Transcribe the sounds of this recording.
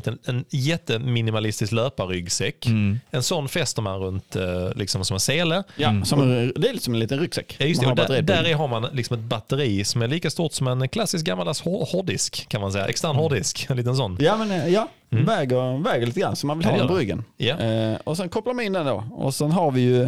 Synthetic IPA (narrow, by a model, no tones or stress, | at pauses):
t̪ɛnɛnjɛt̪ːəmɪnɪmalɪst̪ɪsklœːpaɾʏɡsɛkːɛnsɔnːfɛst̪əmanɾɵnt̪lʔɪksɔmsɔmɛnseːləjasɔmd̪ɛæɾlɪːksɔmɛnliːt̪ənɾʏɡsɛkːajɵstmnɛd̪at̪əɾid̪æɾɪɦaɾmanlɪksɔmɛt̪̚bat̪ːəɾiːsɔmæɾɭiːkast̪uːt̪sɔmɛnkʰlasːɪsk̚ɡamːalasɔhɔhɔɖɪskʰːanmansɛjːa̰ʔɛ̰kst̪æɾnhɔɖɪskɛnliːt̪əns̬ɔnːjamɛnjɑ | vɛːɡəɾvɛːɡəɾɭiːt̪əɡɾanːsɔmːanvɪlhɑpɔɾʏɡːə̰njaɔsɛnkʰɔpːlaɾmaɪnd̪ɛnd̪o̰ːɔ̰sɛnɦaɾvɪjɵ